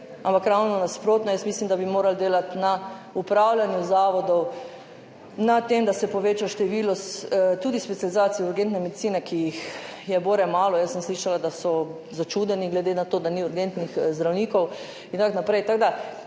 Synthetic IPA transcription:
ampakɾawnɔnaspɾoːt̪nɔjəsmislimd̪abimoːɾald̪eːlat̪na | upɾawlanjuzaːʋɔd̪ɔw | nat̪emd̪asɛpɔʋeːt͡ʃaʃt̪ɛʋilɔst̪uːd̪ispɛt̪sializaːt̪siɛuɾɡent̪nɛmed̪itt͡s̪siːnɛkʰijixjɛboːɾɛmaːlɔjəsːəmsliːʃalad̪asɔ | zat͡ʃud̪ɛniɡlɛd̪enat̪oːd̪aniuɾɡent̪nixzd̪ɾawniːkɔw | int̪aknapɾɛjt̪aɡd̪a

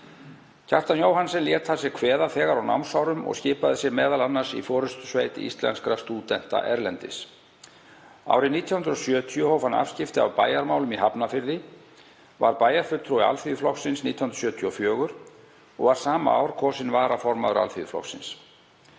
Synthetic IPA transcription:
cʰaht̪anjoːwɦansɛnljɛɾt̪θas̬ɛkʰvɛːðaθɛːɣaɾawna̰wnsawɾʏmɔ̰ɣscɪːpaðɪsjɛɣmɛːðalanːaɾ̥sḭfɔːɾʏst̪sveːjt̪ɪ̰ḭst̪lɛ̰nskɾast̪uːt̪ɛn̥t̪a̰ʔɛɾlɛnt̪ɪ̰s | a̰ːwɾɪniːt̪jahʏnd̪ɾɔsjœːt̪ʰiɔhowfana̰fscɪft̪ɪa̰wpaːjaɾmaːwlʏmiɦapnafɪɾðɪ | va̰ɾpaːjaɾ̥fʏɾt̪ʰɾua̰lfiðflɔksɪnsniːt̪jahnɾ̥asjœːt̪ʰiɔfjœːɣʏɾ̥ | ɔ̰ɣvaɾ̥saːma̰a̰wɾkʰɔːsɪnvaːɾafɔɾmaðʏɾa̰lfiðflɔ̰ksɪ̰ns

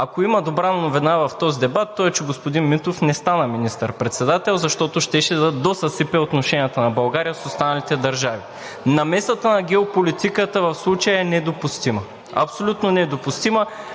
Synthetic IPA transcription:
akoimɐd̪obɾanɐnovinavɐft̪ɔzid̪ɛbat̪ːɔɛt͡ʃɛɡospod̪inmit̪ofnɛst̪anəminist̪əɾpɾɛt̪sɛd̪at̪ɛlˠzɐʃt̪ɔt̪oʃt̪ɛʃɛd̪əd̪osɐsɛpɛot̪noʃɛnijət̪ənɐbɐlˠɡaɾijəsost̪anɐlit̪ɛd̪ɐɾʒavi | nɐmɛsət̪ənɐɡɛopolit̪ikət̪əvɐfslˠut͡ʃəjəɛnɛd̪opust̪imɐ | ɐ̰psolʲut̪nonɛd̪opust̪imə

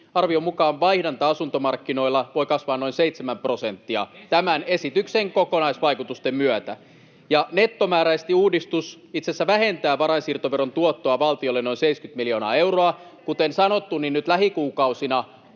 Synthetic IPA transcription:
ɑrʋio̞mukɑːnʋɑihdɑnt̪ɑɑsunt̪o̞mɑrkːino̞ilːɑʋo̞ikɑsʋɑːnːoinseit̪semæmpro̞se̞nt̪ːiɑ̰t̪æmæne̞sit̪ykseŋkokonɑisʋɑjkut̪ust̪emmyœt̪æ | jɑne̞t̪ːo̞mæːɾæist̪iuːdist̪us | it̪sesːæʋæɦe̞nt̪æːʋɑɾɑisirt̪oʋeɾont̪uot̪ːoɑʋɑlt̪iolːeno̞inseiskyt̪miljo̞ːnɑ̰ːe̞wroɑkut̪ensɑno̞t̪ːunːinnyt̪læɦikuːkɑusinɑ

